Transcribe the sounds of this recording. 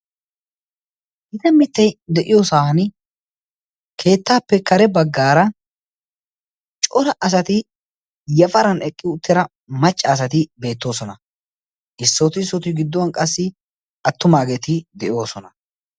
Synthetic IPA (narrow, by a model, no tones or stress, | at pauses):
hɪt̪ɐmɪt̪ːɐjd̪ɛʔɪjoːsahɐn | kʰe̞ːt̪ːaːpːɛkɐɾɛbɐɡːaːɾɐ | t͡ʃʼɔɾɐʔɐs̬ɐt̪ɪ | jɐfɐɾɐnɛkʼːɪʊt̪ːɪɾɐ | mɐt͡ʃʼːɐːs̬ɐt̪ɪbe̞ːt̪ːo̞ːsɔnɐ | ʔɪsːɔt̪ɪsɔt̪ɪɡɪd̪ːɔwɐnkʼɐsːɪ | ɐt̪ːʊmaːɡeːt̪ɪd̪ɛʔɪjo̞ːsɔnɐ